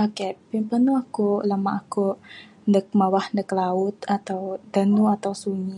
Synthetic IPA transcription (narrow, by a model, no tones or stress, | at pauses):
akɛpimpənuakulamaʔaku | ndək̚mawahndəklaʊt̪at̪awd̪anuat̪awsuɲi